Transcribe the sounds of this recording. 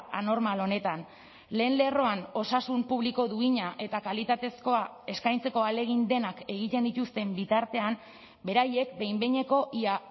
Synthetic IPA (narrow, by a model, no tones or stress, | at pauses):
ano̞ɾmalo̞ne̞t̪an | le̞ːnle̞ro̞ano̞sasumpuβ̞liko̞ðuiɲaʔe̞t̪akalit̪at̪e̞sko̞a | e̞skajnt͡se̞ko̞ale̞ɣ̞ind̪e̞nake̞ɣ̞it̪e̞nd̪it̪ust̪e̞mbit̪aɾt̪e̞am | be̞ɾaje̞k̚be̞jmbe̞ɲe̞ko̞ʔia